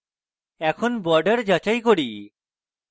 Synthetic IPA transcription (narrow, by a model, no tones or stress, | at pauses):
ɛkʰonbɔɾɖeɾd͡ʒat͡ʃajkoɽi